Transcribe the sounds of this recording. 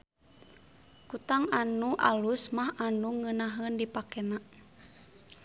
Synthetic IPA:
kut̪aŋanuʔa̰lusmaɦanuŋənaɦəndipakɛna

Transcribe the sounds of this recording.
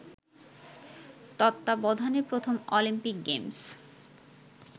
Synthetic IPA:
t̪ɔt̪ːabɔd̪ʱaneɾpɾot̪ʰomolimpik̚ɡems

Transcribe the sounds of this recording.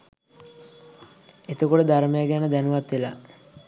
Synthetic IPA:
et̪əkoʈəd̪aɾəməjaɡɛnəd̪ænuʋat̪ʋela̰

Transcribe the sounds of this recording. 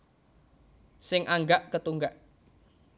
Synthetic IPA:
sɪŋʔaŋɡaʔkət̪uŋɡaʔ

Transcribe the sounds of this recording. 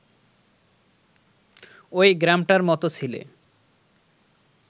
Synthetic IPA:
ojɡɾamʈaɾmɔt̪ot͡sʰilḛ

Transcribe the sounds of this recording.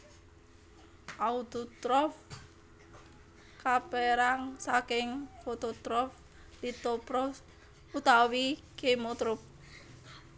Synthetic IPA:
ʔaut̪ut̪ɾɔf | kapeɾaŋsakɪŋfot̪ot̪ɾɔf | d̪̥it̪opɾɔ | ut̪awikemot̪ɾʊp̚

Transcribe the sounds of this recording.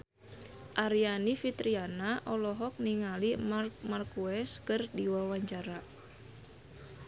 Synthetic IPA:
ʔaɾianifit̪ɾianaʔɔlɔɦɔk̚niŋalimarmarkuɛskɨrdiwawaɲt͡ʃaɾa

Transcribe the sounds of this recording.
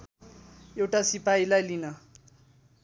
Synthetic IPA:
ewʈasipailajlinʌ

